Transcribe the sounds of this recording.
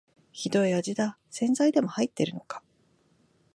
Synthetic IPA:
çid̪o̞iad͡ʑid̪a | sẽ̞nd͡zaid̪e̞mo̞hait̪ːe̞ɾɯ̟no̞kḁ

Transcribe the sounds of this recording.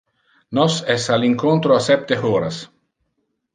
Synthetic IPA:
nɔsɛsaliŋkont̪ɾoasɛp̚t̪eɔːɾas

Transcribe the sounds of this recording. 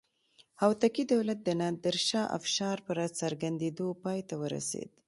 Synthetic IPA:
hawt̪akid̪awlat̪̚d̪ənad̪əɾʃɑʔa̰fʃɑɾpəɾasaɾɡand̪ed̪opɑjt̪awəɾa̰sḛd̪

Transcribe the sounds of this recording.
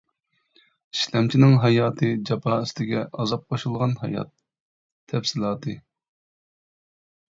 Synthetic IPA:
iʃlɛmt͡ʃʰinɪŋɦɑjɑːt̪ʰɨd͡ʒɑpʰɑːist̪ʰɪɡʲɛʔɑzɑp̚qʰoʃulˠʁɑnɦɑ̰jɑ̰t̪̚ʰː | ɛfsɪlˠɑːt̪ʰɨ

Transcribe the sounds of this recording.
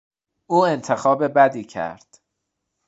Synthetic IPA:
ʔuːe̞nt̪ʰe̞xɒːbe̞bæd̪iːcʰæ̰ɾd̪̥

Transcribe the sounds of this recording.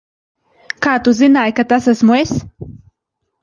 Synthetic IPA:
kaːt̪uzinaːjkat̪asasmues

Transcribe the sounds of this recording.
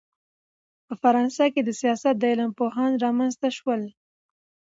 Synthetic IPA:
pəfaɾɑnsɑked̪əsijɑsat̪̚d̪əelampoɦɑnɾɑmanzt̪aʃwəl

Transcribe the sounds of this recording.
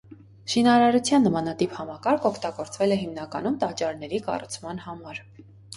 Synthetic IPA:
ʃinɑɾɑɾut͡sʰjɑnːəmɑnɑt̪iphɑmɑkɑɾkʰɔkʰt̪ɑɡɔɾt͡svɛlɛɦimnɑkɑ̰numt̪ɑt͡ʃːɑɾnɛɾikɑ̰rut͡sʰmɑnhɑmɑɾ

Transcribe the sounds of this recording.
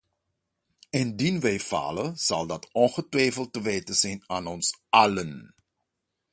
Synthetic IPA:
ɪndinʋɛjfɑ̰ːlənz̥ɑlˠdɑtɔnχətʋɛjfəlˠtəʋeːtəzɛjnaːnɔnsɑlən

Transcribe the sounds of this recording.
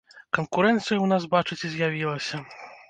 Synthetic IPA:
kɐnkuɾɛnt̪sɨjɐwnas̬bat͡ʂɨt͡sʲizʲjavʲilˠɐsʲɐ

